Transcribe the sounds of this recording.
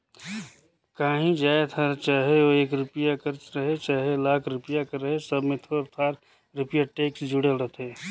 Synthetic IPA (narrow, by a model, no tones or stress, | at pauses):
kaːɦĩd͡ʒaːet̪ʰaɾt͡ʃaːɦeoeːkɾʊpɪjakəɾt͡ʃɾəɦet͡ʃaːɦelaːkʰɾʊpjakəɾːəɦesɐbmẽt̪ʰoːɾt̪ʰaːɾ | ɾʊpɪjaʈeːksd͡ʒʊɽelɾət̪ʰeː